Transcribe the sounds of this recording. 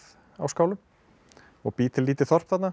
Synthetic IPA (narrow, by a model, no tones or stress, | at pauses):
a̰wskaːwlʏm | ɔɣpiːt̪ɪliːt̪ɪθɔr̥pθat̪na